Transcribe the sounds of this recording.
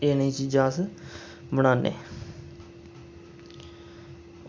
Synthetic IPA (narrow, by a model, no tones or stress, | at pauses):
eːnĩːt͡ʃiːd͡ʒãːs | bəɽaːnḛː